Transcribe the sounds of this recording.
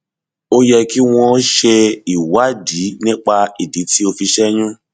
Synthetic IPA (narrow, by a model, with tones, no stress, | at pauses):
o˦jɛ˧ki˦w̃ɔ̃˧˦ʃe˧i˦˨wa˨˦di˨˦nĩ˦k͡pa˧i˨di˨˦ti˦o˧fi˧ʃɛ˦j̃ũ˦